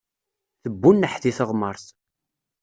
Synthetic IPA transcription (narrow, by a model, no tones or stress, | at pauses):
θəbːunːəħθiθəʁməɾˤθ